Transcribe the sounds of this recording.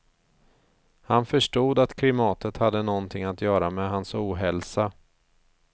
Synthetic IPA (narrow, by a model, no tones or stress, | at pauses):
hanfœʂʈuːd̪at̪kʰlɪmɑːt̪ət̪had̪ːənɔnt̪ʰɪŋːat̪jœːɾamɛɦansuːɦɛlsa